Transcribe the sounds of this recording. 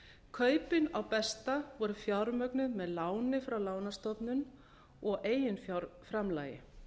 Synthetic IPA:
kʰœːɥpɪnawpɛst̪avɔɾʏfjaɾmœknʏðmɛðlaːwnɪfɾawlaːwnast̪ɔpnʏn | ɔɣeːjʏnfjaɾfɾamla̰ːjɪ̰

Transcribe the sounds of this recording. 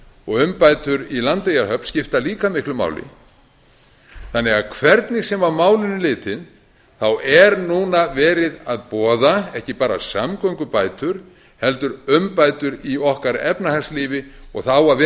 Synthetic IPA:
ɔɣʏmpajt̪ʏɾilant̪ejaɾɦœpn̥scɪft̪aliːkamɪhklʏma̰ːwlɪ̰ | θanːɛɣaðkʰvɛɾt̪nɪɣsɛmamaːwlɪnːɪlɪːt̪ɪn | θawʔɛɾnuːnavɛːɾɪðaðpɔːðaɛhcɪpaːɾa̰samkɔwŋkʏpaːjt̪ʏɾ̥ | hɛlt̪ʏɾʏmpaːjt̪ʏɾiɔhkaɾɛ̰pnahɛsliːvɪɔɣθawaðɛ

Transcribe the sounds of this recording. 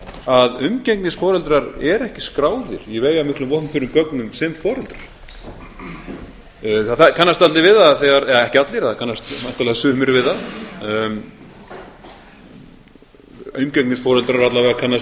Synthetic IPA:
aðʏmcɛknisfɔːɾɛlt̪ɾaɾɛɾɛhcɪ̥skɾaːwðɪ̰ɾ̥jɛveːjamɪhklʏmvɔht̪nfʏɾʏmkœknʏmsɛmfɔːɾɛlt̪ɾaɾ̥ | θaθakʰanːast̪alɪvɪðaðθɛɣaɾɛhcɪat̪lɪɾθaðkʰanːast̪an̥ht̪alɛɣasʏːmɪɾvɪða | ʏmcɛknisfɔːɾɛlt̪ɾaɾat̪lavɛɣakʰanːas

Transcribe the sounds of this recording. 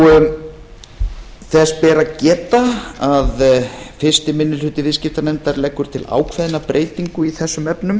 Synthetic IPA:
θɛspɛːɾacɛːt̪aaðfɪr̥st̪ɪmɪnːʏlhʏt̪ɪvɪðscɪft̪anɛnt̪aɾlɛːkːʏɾ̥t̪ʰɪla̰ːwkʰvɛðnapɾʔeːjt̪iŋkʏiθɛsːʏmɛpnʏm

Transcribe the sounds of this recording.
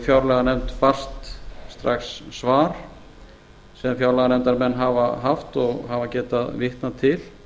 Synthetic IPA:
fjawɾlɛɣanɛmt̪far̥st̪st̪ɾaxsːvaːɾ̥ | sɛmfjawɾlɛɣanɛmt̪aɾmɛnːɦavaɦaft̪ɔɣɦavacɛːt̪aðvɪht̪nat̪ʰɪl

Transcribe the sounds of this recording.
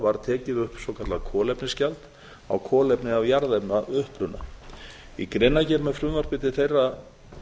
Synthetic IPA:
vaɾt̪ʰɛːcɪðʏhpsɔwkʰat̪lakʰɔːlɛpnɪscalt̪ | a̰wkʰɔːlɛpnɪavjaɾðɛpnaʏhpɾʏnːa̰ | ikɾejnacɛːpmɛfɾʏvar̥pɪːt̪ɪθejra

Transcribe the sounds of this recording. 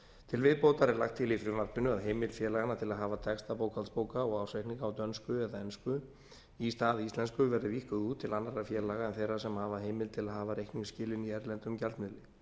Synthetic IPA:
t̪ʰɪlvɪðpoːwt̪aɾɛɾlaxkt̪ʰːɪlifɾɪvaɾp̪ɪnʏaðɦeːjmɪlfjɛːlaɣanat̪ʰɪlaðɦaːvat̪ʰɛkst̪apoːwkʰalspoːwkaɔɣawsɛjhkniŋkaːwt̪œnskʏɛðaɛnskʏ | ist̪aːðist̪lɛnskʏvɛɾðɪvihkʏðuːt̪ʰːɪlanːaɾafjɛːlaɣaɛnθejɾasɛmhaːvaɦejmɪlt̪ʰɪlaðɦaːvaɾehkniŋscɪːlɪniɛɾlɛnt̪ʏmcalt̪mɪðlɪ

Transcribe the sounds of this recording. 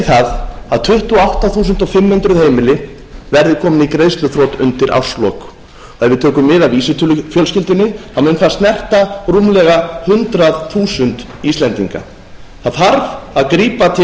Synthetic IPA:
θaðaðt̪ʰʏht̪ɔawht̪aθuːsʏnt̪ɔfɪmhʏnt̪ɾʏðhejmɪlɪ | vɛɾðɪkʰɔːmɪnikɾejðst̪ʏθɾowt̪ʏ̰nt̪ɪɾʔa̰wr̥slɔk | ɔɛðvɪðt̪ʰœːkʏmːɪːðavisɪt̪ʰʏlʏfjœlscɪlt̪ɪnːɪamʏnfast̪nɛr̥t̪arumlɛɣahʏnt̪ɾaðθuːsʏnt̪ | ist̪lɛnt̪iŋka̰ | θaðhaɾvaðkɾiːpat̪ʰɪ

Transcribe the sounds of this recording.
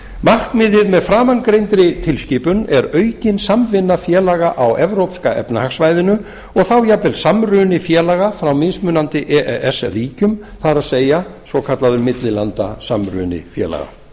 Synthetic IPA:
mar̥kmɪðɪðmɛðfɾaːmankɾejnt̪ɾɪt̪ʰɪlsciːpʏnɛɾœːɥcɪnsamvɪnːafjɛːlaɣaʔawɛvɾowpskaʔɛ̰pnahaxsvaːjðɪnʏ | ɔɣθawjapvɛlsamrʏːnɪfjɛːlaɣafɾawmɪðsmʏːnant̪ɪʔɛʔɛʔɛsriːcʏm | θaðɾaðseːjasvɔkʰat̪laðʏmɪt̪lɪlant̪a̰samrʏ̰ːnɪ̰fjɛ̰ːla̰ɣa̰

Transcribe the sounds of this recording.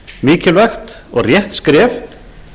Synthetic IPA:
miːcɪlvaxt̪ | ɔɣrjɛht̪skɾɛːf

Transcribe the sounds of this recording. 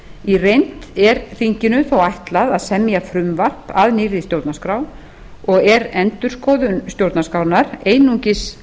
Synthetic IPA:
irejn̥t̪ɛɾθiɲcɪnʏθawajht̪laðaðsɛmːjafɾʏmvar̥paðniɾist̪jowɾt̪naskɾaw | ɔɣɛɾɛnt̪ʏɾ̥skɔːðʏnst̪jowɾt̪naskaw̪naɾeːjnuɲcɪs

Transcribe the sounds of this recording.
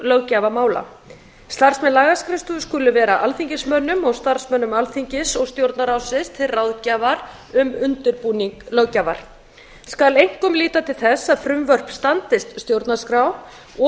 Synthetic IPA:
lœɣcaːvamaːwla̰ | st̪ar̥smɛnlaːɣaskɾɪst̪ʏskʏlːʏvɛːɾaʔalθiɲcɪsmœnːʏmɔɣst̪aɾ̥smœnːʏmalθiɲcɪsɔɣst̪jowɾt̪naɾawsɪst̪ʰɪlrawðcaːvaɾ | ʏmʏnt̪ʏɾpuːniŋklœwcaːva̰ɾ̥ | skalejŋ̥kʏmliːt̪at̪ʰɪlθɛsːaðfɾʏmvœr̥pst̪ant̪ɪst̪st̪jowɾt̪naskɾaw | ɔ

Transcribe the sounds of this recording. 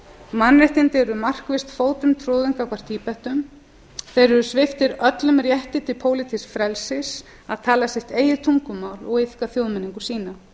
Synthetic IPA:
manrajht̪ɪnt̪ɪɾʏmar̥kvɪst̪foːwt̪ʏmt̪ʰɾoːðiŋkakʰvar̥t̪ʰiːpɛht̪ʏm | θejɾʏɾʏsvɪft̪ɪɾœt̪lʏmrjɛht̪ɪt̪ɪpʰoːwlɪt̪ʰisfɾɛlsɪs | aðt̪ʰaːlasɪht̪eːjɪt̪ʰuŋkʏmaːwlɔɣɪθkaθjowðmɛniŋkʏ̥siːna

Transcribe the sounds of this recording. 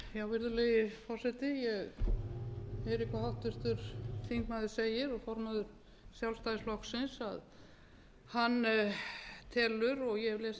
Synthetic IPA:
jawvɪɾðʏlejɪfɔr̥sɛt̪ɪjɛɣ | ejɾikʰahawht̪ʏst̪ʏɾ̥θiŋkmaðɪ̥seːjɪɾɔɣfɔɾmaðʏɾ̥ | sjawlst̪ajðɪslɔhksɪnsa̰ð | hanː | t̪ʰɛːlːʏɾɔɣjɛvlɛːs

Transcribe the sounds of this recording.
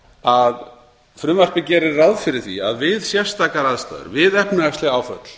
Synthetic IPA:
að | fɾʏːmar̥pɪcɛːɾɪɾːawðfɪɾɪɾ̥θḭa̰ðvɪðsjɛ̥st̪aːkaɾaðst̪a̰ðʏ̰ɾvɪðɛhpnaast̪lɪɣaːwfœ̰t̪l̥

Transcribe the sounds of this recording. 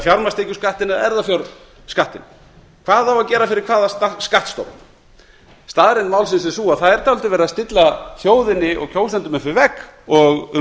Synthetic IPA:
fjawɾmast̪ejcʏskaht̪ɪnaɛɾðafjawɾ | skaht̪ɪn | kʰv̥aːðawacɛːɾafɪɾɪɾkʰvaːðast̪askaht̪st̪ɔ̰wm | st̪aːðɾɪnmaːwlsɪnsɛsuːaðθaðɛɾ̥t̪ʰawlt̪ɪvɛːɾɪðast̪ɪt̪lafjoːwðɪnːɪʔɔ̰ɣcʰoːwst̪ant̪ʏmɪnfɪɾɪvɛkɔɣ

